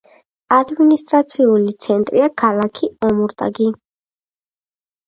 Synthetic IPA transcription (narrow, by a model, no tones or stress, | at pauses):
ad̪minist̪ʼɾat̪sʰiulit̪sʰɛnt̪ʼɾiakʰalˠakʰiɔmuɾt̪ʼa̰ɡi